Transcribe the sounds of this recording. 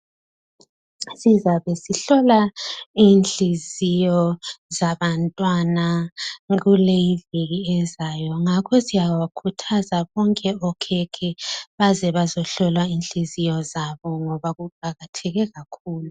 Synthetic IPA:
sizaβɛsiɬɔlaiːnɬizijɔzaβantʼwanaɣulejiviɣiɛzajɔŋakʰɔsijawakʰutʰazaβɔŋkʼɛɔkʰɛkʰɛβazɛβazɔɬɔlwainɬizijɔzaβɔŋɔβaɣuǃaɣatʰɛɣɛɣakʰuːlu

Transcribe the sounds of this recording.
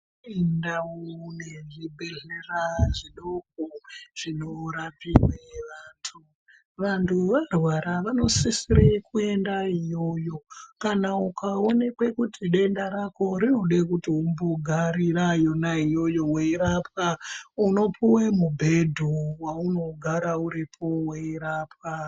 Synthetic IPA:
indauneʐibʱeleraʐiɗok̚oʐ̥inoɾapiweʋaːntʰu | ʋantʰuʋarwaɾaʋano̞sisiɾekue̞ndaijo̞jo̞kanaukao̞ne̞kwe̞kutiɗe̞ndaɾako̞ɾino̞ɗekutiumboɡʱaɾiɾajo̞naijo̞jo̞weiɾap̚auno̞pʰiwemubʱedʱuwauno̞ɡʱaɾauɾipʰo̞weiɾaːpwa

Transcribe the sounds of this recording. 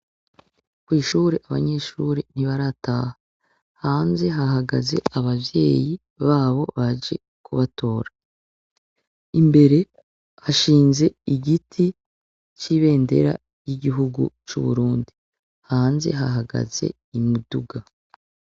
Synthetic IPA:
kwiːʃuːɾeʔaβa̰ɲe̞ːʃuɾin̥iβaɾataːha | haːnze̞ɦaɦaɡaze̞̰aβaβje̞ːji | βaːβo̞βaʒe̞̰ | kʰuβatʰo̞ːɾa | imbe̞ɾe̞ | haʃiːnze̞iɡitʰi | t͡ʃiːβe̞ːnde̞̰ɾa̰ | jiɟiɦuɡṵt͡ʃṵβṵɾuːndi | haːnze̞̰ɦaɦaɡa̰z̥e̞̰ | imuduɡa

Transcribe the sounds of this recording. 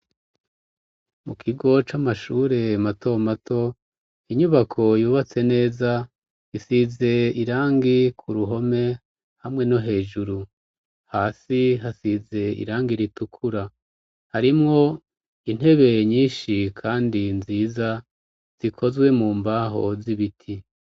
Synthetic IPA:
mukʰiɡo̞t͡ʃamaʃuːɾe̞matʰo̞matʰo̞ | iɲuβakʰo̞juːβat͡se̞ne̞ːza | isize̞iɾaːŋɡikʰuɾuɦo̞me̞ | hamŋe̞no̞ɦe̞ːʒuɾu | haːsiɦasize̞ḭɾaːŋɡiɾitukʰuɾa | haɾimŋo̞ | in̥he̞βe̞ɲiːnʃikʰaːndinziːza | z̥ikʰo̞zwe̞muːmbaɦo̞̰ziβitʰi

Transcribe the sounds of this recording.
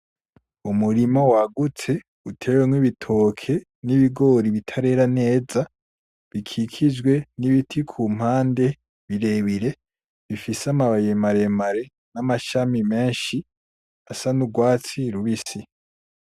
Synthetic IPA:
umuɾimawaɡut͡se̞ | utʰe̞ːweŋwiβitʰo̞ːkʰe̞ | niβiɡo̞ːɾiβitʰaɾe̞ːɾane̞ːza | βikʰikʰid͡ʒɡwe̞niβitʰikʰuːm̥haːnde̞ | βiɾe̞βiɾe̞ | βifisamaβajemaɾe̞maɾe̞ | namaʃamime̞ːnʃi | asanuɡwaːt͡siɾuβisi

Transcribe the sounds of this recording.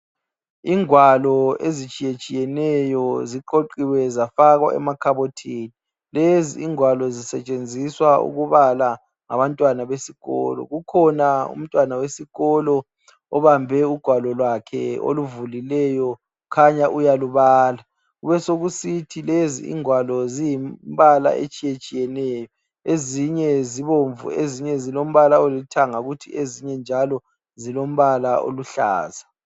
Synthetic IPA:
iŋwalɔezit͡ʃʼijet͡ʃʼijɛnɛjɔziǃoǃiwɛzafaɣwa̰ʔɛ̰makʰaβotʰiːni | leziːŋwalɔzisɛt͡ʃʼend͡zʱiswaṵɣuβala | ŋa̰βantʼwanaβesiɣɔ̰lɔ̰ɣukʰɔnaṵm̩tʼwanawesiɣɔlɔ | ɔβambʱɛuɡ̥ʱwalɔlwakʰɛ̰o̰luvulilɛjɔ | kʰaɲaʔujaluβaːla | ɣuβɛsoɣusitʰilezḭḭŋwalɔzijiβala̰ʔḛt͡ʃʼijet͡ʃʼijɛnɛːjɔ | eziɲɛziβoɱvṵeziɲɛzilom̩βalaolitʰaŋaɣutʰiʔeziɲɛnd͡ʒʱalɔ | zilom̩βalao̰luɬa̰ːza

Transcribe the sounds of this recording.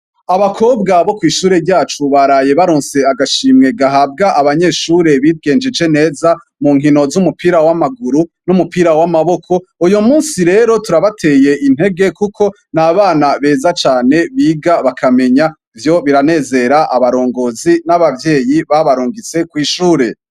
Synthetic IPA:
aβakʰo̞b̚ɡaβo̞kwiːʃuːɾe̞ɟaːt͡ʃuβaɾaje̞βaɾoːnse̞aɡaʃiːmŋe̞ɡaɦab̚ɡaʔaβaɲe̞ːʃuɾe̞βiɡe̞ːnd͡ʒed͡ʒe̞ne̞ːza | muːŋɦino̞zumupʰiːɾawamaɡuɾunumupiɾawamaβo̞kʰo̞ujomuːnsiɾe̞ːɾo̞tuɾaβatʰe̞je̞ʔin̥he̞ɡe̞kukʰo̞ | naβaːnaβe̞ːzat͡ʃaːne̞βiːɡaβakʰame̞ɲa | ivjo̞βiɾane̞ːze̞ɾaʔaβaɾo̞ːŋɡo̞ːzinaβavjeːjiβaβaɾuːŋɡit͡se̞kwiːʃuːɾe̞

